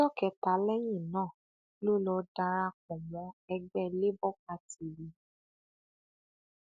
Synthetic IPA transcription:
ɔ˦˨kɛ˧˨ta˨˦lɛ˦j̃ĩ˦˨nãː˦˨ | lo˦˨lɔ˧da˧ɾa˧k̚ɔ̃˨mɔ̃˨˦ɛ˧ɡ͡bɛ˦le˦bɔ˦ka˧ti˨ɾi˨˦

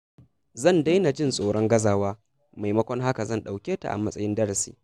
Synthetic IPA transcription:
zɐ˦˨nda˦jna˨d͡ʒɪ˦nsʼoː˨ɽɔ˦ŋɡɐ˦zaː˦waː˦ | ma˨jmɐ˦kʷɔ˦ŋɦa˦ka˨zɐ˦˨nɗa˨wkʲeː˦ta̰˨ʔa̰˨mɐ˦sʼɐ˦jɪ˦ndɐ˦ɽɐ˨sḭː˦

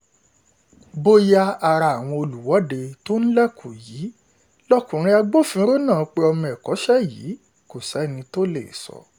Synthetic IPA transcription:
bo˦ja˦˧a˧ɾa˧˨a˨w̃ɔ̃˧o˧lu˨wɔ˨˦de˧to˦n̩˦lɛ˦kʰo˨ji˨˦ | lɔ˦˨kũ˨ɾ̃ĩ˧˦a˧ɡ͡bo˦˨fĩ˨˦ɾo˦nãː˦˨k͡pe˧ɔ˧mɔ̃˧ɛ˨kɔ˨˦ʃɛ˦jḭː˨˦ | ko˦˨sɛ˨˦˨nĩ˧to˦lḛ˦˨sɔ̰˨˧

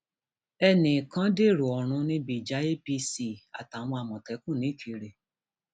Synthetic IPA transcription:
ɛ˧nĩ˨kã˨˦de˦˨ɾu˨ɔ˨ɾ̃ũ˨˧nĩ˧˦bi˨d͡ʒa˨˦e˦pi˧si˦a̰˨ta˨w̃ɔ̃˧a˨mɔ̃˨tɛ˨˦kũ˦˨nĩ˨˦kʰi˧ɾe˧˨

